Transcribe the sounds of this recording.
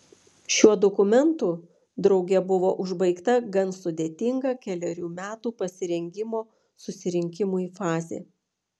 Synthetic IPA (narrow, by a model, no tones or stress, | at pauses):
ʃʲuɔd̪ɔkʊmʲɛnt̪uː | d̪ɾɒʊɡʲɛbʊʋoːʔʊʒbɐɪkt̪ɐɡɐnsʊd̪ʲeːt̪ʲɪŋɡɐːkʲɛlʲɛɾʲuːmʲæːt̪uːpɐsʲɪɾʲɛŋʲɡʲɪmoː | sʊsʲɪɾʲɪŋʲkʲɪmuːiːfɑːzʲḛː